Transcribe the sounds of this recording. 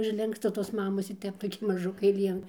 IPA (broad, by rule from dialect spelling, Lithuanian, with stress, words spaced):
ʊʒʲˈlʲɪŋkstɐ toːs ˈmɑːmoːs ɪr ˈtʲɛp toːˈkʲɪ mɐˈʒʊkɐɪ ˈlʲiɛn